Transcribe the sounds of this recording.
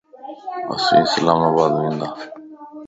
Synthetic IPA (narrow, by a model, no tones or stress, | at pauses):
a̰sḭ̃səlaːmaːbaːd̪ʋẽːnd̪aː